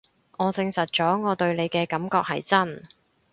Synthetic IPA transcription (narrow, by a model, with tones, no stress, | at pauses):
ŋɔː˨˧t͡sɪ˧ŋsɐ˨t̚t͡ʃɔː˨˥ŋɔː˨˧t̪ɵ˧ɥle˨˧jkɛː˧kɐ˨˥mkɔː˧k̚hɐ̰˨jt͡sɐ˥n